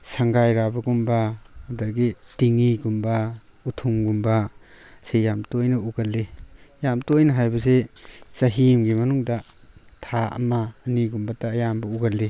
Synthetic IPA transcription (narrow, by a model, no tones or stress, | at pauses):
saŋɡajɾabɐɡumbahɐdaɡitiŋiɡumba | utʰumɡumbasejamtojnɐuɡalːejamtojnɐɦajbɐsesɐɦimɡimɐnuŋda | tʰaɐ̰maːniɡumbataːjambɐuɡalːi